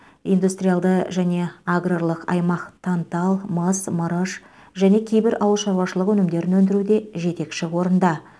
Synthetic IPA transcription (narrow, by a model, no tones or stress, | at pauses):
ijnd̪ust̪ɾʲijalˠd̪əʒæne̞aɡroɾlˠəqɑ̰jmɑqt̪ʰɑnt̪ɑlˠməsməɾəʃ | ʒæne̞kʲʰe̞jbɪɾʔɑwəlˠʃɑɾuwɑʃəlˠəqwɵnɪmd̪e̞ɾɪnwɵnd̪ɪɾud̪e̞ʒe̞t̪e̞kʃɪwo̞ɾənd̪ɑ